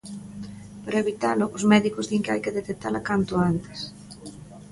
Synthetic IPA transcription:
paɾaeβit̪alʊʔʊsmɛðikʊzðiŋkɪajkɪðet̪ek̚t̪alakant̪ʊant̪ɪ̥s

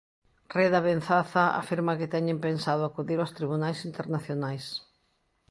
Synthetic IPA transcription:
reðɐβen̟θaθɐa̰fiɾmɐkɪt̪ɛɲɪ̃mpensaðʊakuðiɾawst̪ɾiβunajsint̪eɾnaθjonajs

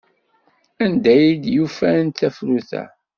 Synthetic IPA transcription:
ænd̪æjid̪jufænt̪ːæfɾuθæ̰

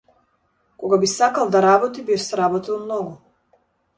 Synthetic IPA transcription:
kɔɡabisakalˠd̪aɾabɔt̪ibisɾabɔt̪ilˠmnɔɡu

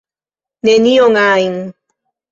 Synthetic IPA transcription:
nenioŋaiŋ

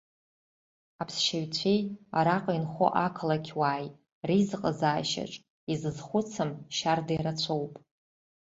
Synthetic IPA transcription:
apʰsʃaɥt͡sʷʰeja̰ɾaqʼinχʷo̰ʔakʰlakʲʰwaːj | rizqʼəzaːʃa̰ʈ͡ʂʼ | izɨzχʷʊt͡sʰɨmʃardajɾat͡sʷʰowpʼ

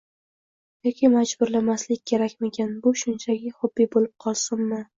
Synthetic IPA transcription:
jɒkʲʰɪmad͡ʒbʊɾlamaslɪkʲkʲʰe̞ɾakʲmekʲʰanbʊʃʊnt͡ʃʰaɡʲɪhʊbːijbolɪp̚qʰɒlˠsɪmmɪ

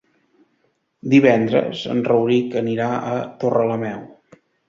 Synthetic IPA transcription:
d̪iβɛnd̪ɾə̰zə̰nrəwɾikəniɾaət̪orələmɛw

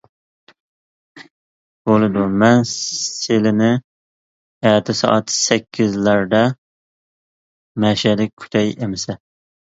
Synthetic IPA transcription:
b̥olˠɨd̪umɛnelɪnɪ | ɛt̪ʰɪsɑ̰ʔɑt̪sɛkʲʰːizlæɾd̪ɛ | mɛʃɛd̪ɪk̚ʲkʲʰy̥t̪ʰɛjemɪsɛ

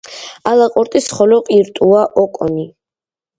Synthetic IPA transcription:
alaqʼɔɾt̪ʼisχɔlɔqʼiɾt̪ʼuaʔɔkʼɔni

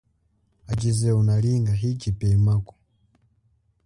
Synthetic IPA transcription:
at͡ʃizɛunaliŋɡaɦit͡ʃipɛimakɔ̥

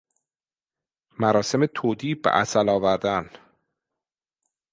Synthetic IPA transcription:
mæɾɒːse̞met̪ʰoːd̪iːbḛʔæ̰sælɒːvæɾd̪æn

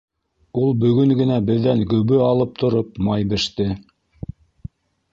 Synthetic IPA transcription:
ulˠbɵ̆ɡɵŋɡɘ̆næbɘ̆ðːæŋɡɵ̆βɘɑlˠɤp̚t̪ʰŏɾop̚mɑjbɘ̆ʃt̪ɘ

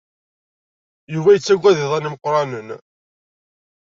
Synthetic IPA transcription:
juvæjət͡sːæɡʷːæðiðˤæniməqːɾˤɑnən

